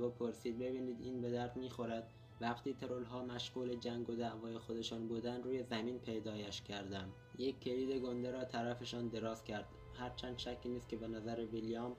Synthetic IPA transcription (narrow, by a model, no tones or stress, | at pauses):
bopʰoɾsiːd̪̚be̞biːniːd̪iːnbe̞d̪æɾt̪miːxo̞ɾæd̪̥ | væqt̪ʰiːt̪ʰe̞ɾolɦɒːmæʃɢuːle̞d͡ʒæŋɡo̞d̪æʔvɒːjexod̪e̞ʃɑːnbuːd̪ænd̪ɾuːje̞zæmiːnpʰe̞jd̪ɒːjæʃcʲʰæɾd̪ænd̪ | jekʰːe̞liːd̪e̞ɡond̪eɾɒːt̪ʰæɾæfe̞ʃɒːnd̪e̞ɾɒːz̥cʰæɾd̪̥ | hæɾt͡ʃʰænd̪̥ʃæcʰːiːniːst̪kcʰe̞be̞næzæɾevilijɑːm